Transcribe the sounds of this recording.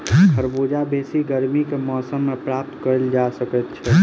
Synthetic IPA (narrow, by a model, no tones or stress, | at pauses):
kʰəɾboːd͡ʒabʱeːsiɡəɾmikemɔːsəmːẽpɾaːp̚t̪kəɾld͡ʒasəkət̪t͡ʃʰɛ